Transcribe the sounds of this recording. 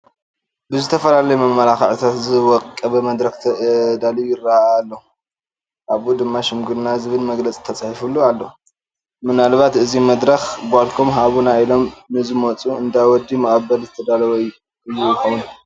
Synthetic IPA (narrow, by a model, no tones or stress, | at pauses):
bɨzɨt̪ʰɐfɐlalɐjumɐmːɐlaxɐʕit̪ʰat̪zɨwɔkʼkʼɐβɐmɐd̪ɾɐxt̪ʰɐd̪alijɪraaːlːɐ | ʔaβud̪ɨmːaʃɪmɡɨɾnazɨβɨlmɐɡlɐt͡sʼi̥t̪ʰɐt͡sʼahifulːualːɐ | mɨnalβat̪ɨzimɐd̪ɾɐxbalkʰomɦaβunailo̞mnɨzɨmot͡sʼuɨnd̪ajwɔd̪ːimɐkʼɐbɐlzɨt̪ʰɐd̪alɐwɐj | ɨjːujxomɨn